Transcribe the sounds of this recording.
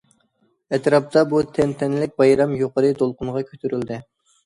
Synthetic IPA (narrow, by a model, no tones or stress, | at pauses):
ɛt̪ɾɑp̚t̪ɑbut̪ʰɛnt̪ʰɛnlɪk̚ʲbɑjɾɑmjoqəɾɨd̪olˠqʊnʁɑkʲʰøt̪ʰyɾyld̪ɪ